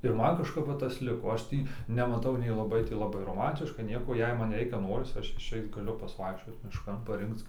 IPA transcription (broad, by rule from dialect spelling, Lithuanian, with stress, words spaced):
ɪr ˈmɐn kɐʃˈkɐp ˈʋɐ ˈtɐs ˈlʲɪkoː ˈɐʃ ˈtʲiː nʲɛmɐˈtɐʊ nʲɛɪ lˠɐˈbɐɪ tʲɪ lˠɐˈbɐɪ roːˈmɐnʲtʲɪʃkɐ ˈnʲiɛkoː jɛɪ ˈmɐn ˈrʲɛɪkʲɛ ˈnoːrʲɪs ˈɐʃ ɪʃʲˈɛɪt ɡɐˈlʲʊ pɐsʲɪˈʋɐɪkʃʲt͡ʃʲoːt mʲɪʃˈkɐn pɐˈrʲɪŋkt͡s